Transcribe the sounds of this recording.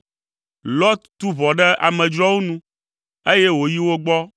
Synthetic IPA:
lɔ˦t̪t̪u˦vɔ˨ɖɛ˦a˨mɛ̃˨d͡ʒɾɔ˦wo˦nũ˦ | e˦je˦wo˨ji˦wo˦ɡ͡bɔ˦

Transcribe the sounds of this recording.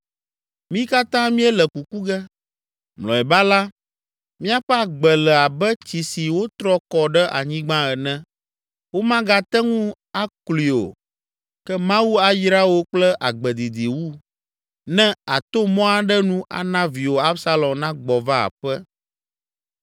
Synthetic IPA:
mĩ˦ka˦t̪ã˦mĩ˦ɛ˦lɛ˨ku˨ku˦ɡɛ˦ | mlɔ̰̃˨ɛ˨ba˦la˦ | mĩ˦a˦ɸɛ˦a˨ɡ͡bɛ˨lɛ˨a˨bɛ˦t͡ɕi˨si˨wo˦t̪ɾɔ˦kɔ˨ɖɛ˦ʔa̰˨ɲĩ˦ɡ͡bã˦ɛ˨nɛ̃˦ | wo˦mã˦ɡa˦t̪ɛ˦ŋũ˦ | a˦kli˨o̰˨ | kɛ˦mã˦wu˦a˨jɾa˦wo˦k͡plɛ˦ʔa˨ɡ͡bɛ˨d̪i˨d̪i˨wu˦ | nɛ̃˦a˨t̪o˦mɔ̃˦a˨ɖɛ˦nũ˦ʔa̰˨nã˦vi˨wo˨a˦bsa˦lɔ̃˨mnã˦ɡ͡bɔ˨va˦a̰˨ɸɛ˦

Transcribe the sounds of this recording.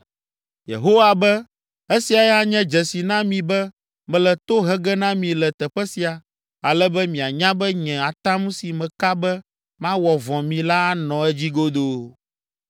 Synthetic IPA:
jḛ˨ɦo˦wa˨bɛ˦ | e˦si˨a˨jɛ˦a˦ɲɛ̃˦d͡ʒɛ˨si˨nã˦mĩ˨bɛ˦ | mɛ̃˨lɛ˨t̪o˦ɦɛ˦ɡɛ˦nã˦mĩ˨lɛ˨t̪ɛ˨ɸɛ˦si˨a˨ | a˨lɛ˦bɛ˦mĩ˨a˨ɲã˦bɛ˦ɲɛ̃˨a˨t̪ã˦mũ˦si˨mɛ̃˨ka˦bɛ˦ | mã˦wɔ˨vɔ̃˨mĩ˨la˦nɔ̃˨ɛ˦d͡ʑi˦ɡo˦d̪o˦

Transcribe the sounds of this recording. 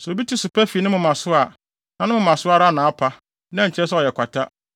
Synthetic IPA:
sɔ˨bi˦tʰi˦sʊ˨pʰɛ˦fi˨nɪ̃˦mʊ̃˨mã˨sʊ˦a˨ | nã˨nɪ̃˦ʊ̃˨mã˨sʊ˦a˦ɾa˦˨nãː˨a˦pʰa˦ | nã˦ɲ̩˨t͡ɕʰɛ˦sɛ˦ɔ˨jɛ˨kʷa˨tʰa˦

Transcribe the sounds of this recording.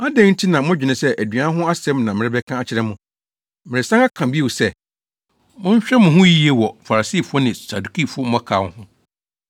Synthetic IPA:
a˦dɛ̃˦ŋn̩˦tʰi˦nã˨mʊ̃˦d͡ʑᶣɪ˨nɪ̃˨sɛ˦ʔæ˨dɥa˨˦ɦʊ̃˦a˦sɛ̃˦mnã˨mɪ̃˨ɾɪ˦bɛ˦kʰã˦a˨t͡ɕʰɪ˨ɾɛ˦mʊ̃˨ | mɪ̃˨ɪ˨sã˦ŋa˦kʰã˨bi˦e˦wu˨sɛ˦ | mʊ̃˦ɲ̩˦ɕᶣɛ˦mʊ̃˨ɦʊ̃˦ji˦e˦wɔ˨fa˨ɾa˨siː˦˨fʊ˦ɔ˦nɪ̃˨sa˨du˨kʰi˦fʊ˦ɔ˦m̩˦mɔ̃˦kʰaː˨whʊ̃˦

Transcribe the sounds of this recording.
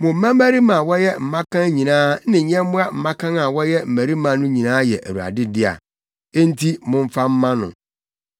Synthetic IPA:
mʊ̃˨m̩˦mã˦mæ˦ɾi˦mã˨wɔ˦jɛ˦m̩˨mã˦kʰã˦ɲĩ˨nãː˦nɪ̃˨ɲɛ̃˦m˦mʊ̃˦a˦m̩˨mã˦kʰã˦na˨wɔ˦jɛ˦m̩˨mæ˨ɾi˦mã˨nʊ̃˦ɲĩ˨nãː˦jɛ˨ʔæ̰˨wu˨a̰˨dɪ˦dɪ˦a̰˨ | e˦n˦tʰi˦mʊ̃˦ɱ˦fa˦m̩˦mã˦nʊ̰̃˨

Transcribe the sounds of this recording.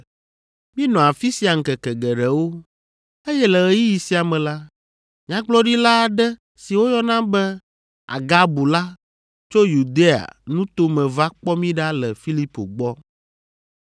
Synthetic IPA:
mĩ˦nɔ̃˨a˨fi˦si˨a˨ŋ̩˨kɛ˨kɛ˨ɡɛ˨ɖɛ˨wo˦ | e˦jɛ˦lɛ˨ɣɛ˨ji˦ji˨si˦a˨mɛ̃˨la˦ | mĩ˦ã˦ɡ͡blɔ˦ɖi˦la˦˨ɖɛ˦ | si˨wo˦jɔ˦nã˦bɛ˦ | a̰˨ɡa˦bu˨la˦ | t͡ʃo˦ju˨d̪e˦a̰˨nũ˦t̪o˦mɛ̃˨va˦k͡pɔ˦mĩ˦ɖa˦lɛ˨fi˦li˦po̰˨ɡ͡bɔ˦

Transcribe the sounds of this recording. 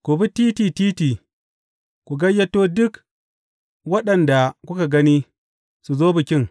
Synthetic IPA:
ku˨bu˦ti˦ti˨tiː˦ti˨ | ku˨ɡa˦jːa˦tːo˦du˦k | wa˦ɗɐ˨nda˨ku˦ka˨ɡa˦ni˦ | su˨zo˦bu˨kʲi˦ŋ

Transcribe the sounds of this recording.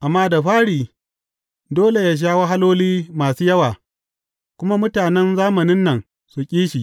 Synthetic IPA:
ʔa˨mːaː˦da˨ɸaː˦ɽiː˨ | doː˦le˨jaː˦ʃ̬aː˦wa˦ɦa˦loː˦liː˦maː˨suː˦jɐ˦waː˨ | kʷʊ˦ma˦mʊ˦taː˨nɛ˦nzaː˦mɐ˨nɪ˦nːɐ˨ŋ | su˨kʲʼiː˦ʃiː˨

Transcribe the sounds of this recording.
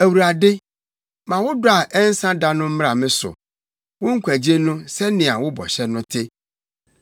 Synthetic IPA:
æ˨wu˨ɾa˨dɪ˦ | mã˨wʊ˦dʊ˦a˨ʔɛ˦n̩˦sã˦da˦nʊ̃˦m̩˦m˦a˨mɪ̃˦sʊ̰˨ | wʊ̃˦ŋ̩˦kʷæ˨d͡ʑe˦nʊ̃˦sɛ˦nɪ̃˨a˨wʊ˦bɔ̰˨ɕɛ˦nʊ̃˦tʰɪ˦

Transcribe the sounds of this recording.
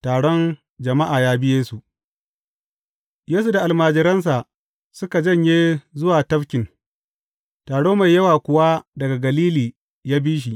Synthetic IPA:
taː˨ɽɔ˦n | d͡ʒɐ˨ma˦ʔaː˨jaː˦bɪ˦jeː˦su˨ʔ | jeː˦s̬u˨da˨ʔa˨lmaː˨d͡ʒɪ˨ɾɐ˦ns̬a˨ʔ | sʊ˦ka˨d͡ʒɐ˦ɲjeː˦zʊ˦waː˨tɐ˦fkʲɪ˨n | taː˨ɽoː˦ma˨jːɐ˦waː˨kʷʊ˨wa˦dɐ˨ɡa˨ɡɐ˨liː˦liː˨ | jaː˦biː˦ʃ̬i˨ʔ

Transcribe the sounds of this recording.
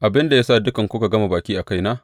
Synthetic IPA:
ʔa˨bɪ˦nda˨jaː˦saː˦˨dʊ˦kɐ˨ŋkʷʊ˦ka˨ɡɐ˦ma˨baː˨kʲiː˦ʔa˨ka˦jnaː˦ʔ

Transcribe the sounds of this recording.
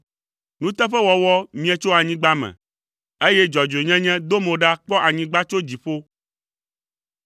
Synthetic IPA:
nũ˦t̪ɛ˦ɸɛ˦wɔ˨wɔ˦mĩ˦ɛ˨t͡ʃo˦a˨ɲĩ˦ɡ͡ba˦mɛ̰̃˨ | e˦jɛ˦d͡ʒɔ˨d͡ʒe˨ɲɛ̃˦ɲɛ̃˦d̪o˦mõ˨ɖa˦k͡pɔ˦ʔa˨ɲĩ˦ɡ͡ba˦t͡ʃo˦d͡ʑi˨ɸo˦

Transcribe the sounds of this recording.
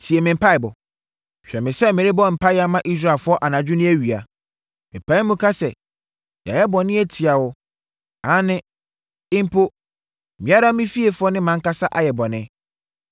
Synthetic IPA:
si˨e˨mɪ̃˨m̩˨pʰa˦ɪ˨bɔ˨ | ɕᶣɛ˨mɪ̃˨sɛ˦mɪ̃˨ɾɪ˦bɔ˦˨m̩˨pa˦ɪ˦a˦mã˦ʔi˦s̬ɾa˦˨fʊ˦ɔ˦ʔa˨nã˨d͡ʑᶣʊ˦nɪ̃˦æ˦ɥi˨a̰˨ | mɪ̃˨pa˦i˦mũ˦kʰa˦sɛ˨ | ja̰˨jɛ˦bɔ˨nɪ̃˦e˦tʰi˨a˨wʊ˦ | ã˨˦nɪ̃˦ | ɪ˦m̩˦pʰo˦˨ | mĩ˨˦a˦ɾa˦mɪ̃˦fi˦e˨fʊ˦ɔ˦nɪ̃˦mã˨˦ŋ̩˦ka˦sa˦ʔa˨jɛ˨bɔ˨nɪ̃˦

